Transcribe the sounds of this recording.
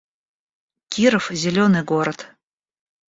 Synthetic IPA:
kʲiɾəfzʲelʲonɨɡoɾət̪

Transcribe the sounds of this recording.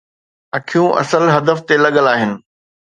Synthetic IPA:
ɐkʰijũʔɐ̰səlɦɐd̪əft̪elɐɠəlaːɦɪnɪ̆

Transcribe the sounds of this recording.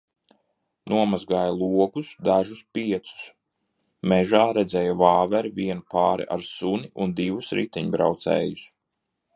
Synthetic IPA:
nʔuɔmazɡaːjalˠuɔkusd̪aʒuspiɛt̪su̥s | mɛʒaːɾɛd̪zɛjavaːvɛɾvʲiɛnupaːɾḭʔa̰ɾsuniʔund̪ivusɾḭt̪iɲbɾa̰wt̪sɛ̰ːjus

